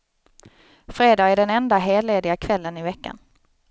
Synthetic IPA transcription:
fɾeːd̪ɑːɡæɖɛnɛnd̪aɦeːleːd̪ɪɡakʰvɛlːənɪvɛkːa̰n

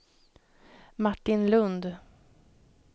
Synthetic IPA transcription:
maʈːɪnlɵnd̪

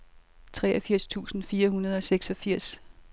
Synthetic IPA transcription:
t͡sʰʁɛːʔɐfiɐ̰st͡sʰṵːsn̩fiːɐɦunɐð̞̩ˠɒ̽seɡ̥sɒ̽fiɐ̰s

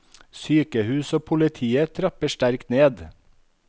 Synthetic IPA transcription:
syːkəhʉːsoːpʰʊlɪt̪ʰiːət̪ʰɾɑpəʃtæɾkt̪neːd̪

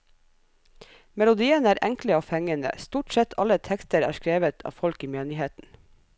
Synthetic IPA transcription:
mɛlʊd̪iːənəæːɾʔɛŋkləoːfɛŋənə̰st̪uːʈsɛt̪ʰɑ̰lət̪ʰɛkst̪əɾæ̰ːʃkɾeːʋət̪ʰɑ̰ːʋfɔlkiːmeːnɪheːt̪n̩

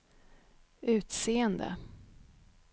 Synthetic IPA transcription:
ʔʉ̟ːt̪seːənd̪ə̰

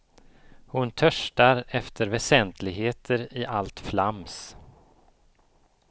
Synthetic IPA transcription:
hʊnt̪ʰœʂʈaɾɛft̪ʰəɾvɛsɛnt̪ʰlɪɡɦeːt̪ʰəɾɪʔalt̪flams

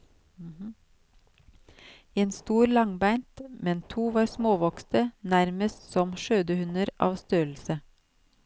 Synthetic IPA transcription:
eːnst̪uːɾlɑŋbæɪnt̪mɛnt̪ʰuːʋɑːɾsmoːʋɔkst̪ənæɾməst̪sɔmʃøːd̪əhʉnəɾʔɑ̰ːʋst̪øːl̩sə

